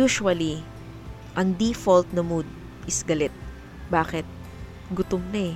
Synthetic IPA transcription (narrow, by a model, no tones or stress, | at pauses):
juːʃʊwɐli | ʔɐŋd̪ifolt̪̚nɐmud̪̚ | ʔɪsɡɐlɛt̪̚ | baːkɛt̪̚ | ɡʊt̪ʊmnɐɛ